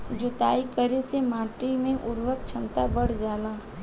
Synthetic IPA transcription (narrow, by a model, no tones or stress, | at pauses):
d͡ʒoːt̪aːikəɾesemaːʈɾimẽʔʊɾʋək̚t͡ʃʰɐ̃nt̪abəɽ̤d͡ʒaːlaː